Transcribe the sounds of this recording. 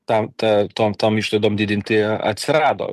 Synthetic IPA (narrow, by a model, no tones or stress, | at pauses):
t̪ɐmt̪ɐt̪oːmt̪ɐmiːʃlˠɐɪd̪oːmd̪ʲɪd̪ʲɪnʲt̪ʲɪɐ̰t̪ʲsʲɪɾɑːd̪o̰ː